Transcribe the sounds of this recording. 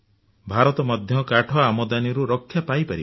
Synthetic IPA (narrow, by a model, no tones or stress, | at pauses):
bʱaɾɔt̪ɔmɔd̪ʱjɔkaʈʰɔamɔd̪aniɾuɾɔkʰːjapajpaɾi